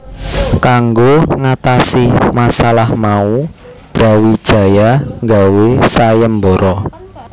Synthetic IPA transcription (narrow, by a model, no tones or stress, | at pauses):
kaŋɡoŋat̪asimasalahmau | b̥ɾa̤wid̥ʒ̥a̤jaŋɡawesajəmboɾʔɔ